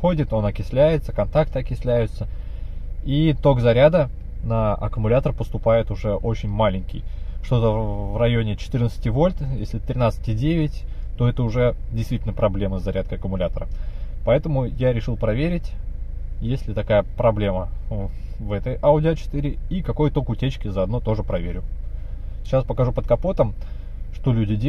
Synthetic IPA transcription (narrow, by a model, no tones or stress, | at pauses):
xo̞dʲɪt̪o̞nɐkʲɪsʲlʲæjɪt̪səkɐnt̪ak̚t̪ɐkʲɪsʲlʲæjʊt̪sə | it̪o̞ɡzɐɾʲad̪ə | nəʔɐ̰kəmʊlʲat̪ərpəst̪ʊpajɪt̪ʊʐɛʔot͡ɕɪnʲmalʲɪnʲkʲɪ̰jʂt̪o̞t̪əvrɐjo̞nʲɪt͡ɕɪ̥t̪ɨrnət̪sɨ̥tʲivo̞lʲt̪jesʲlʲɪɛət̪ɾʲɪnat̪sɨ̥tʲɪdʲevʲɪtʲt̪o̞ɛt̪əʊʐɛdʲɪjst̪vʲitʲlʲnəpɾɐblʲe̞məzːɐɾʲat̪̚kəɐkəmʊlʲat̪əɾəpɐɛt̪əmʊjaɾʲɪʂɨlˠpɾɐvʲeɾʲɪtʲ | jesʲlʲɪt̪ɐkajəpɾɐblʲemə | vɛt̪əjaʊdʲɪət͡ɕɪ̥t̪ɨɾʲɪikɐko̞jt̪o̞kʊtʲet͡ɕkʲɪzəɐd̪not̪o̞ʐɨpɾɐvʲeɾʲʊ | ɪ̥t͡ɕːaspəkɐʐupət̪̚kɐpo̞t̪əm | ʂt̪o̞lʲudʲɪdʲ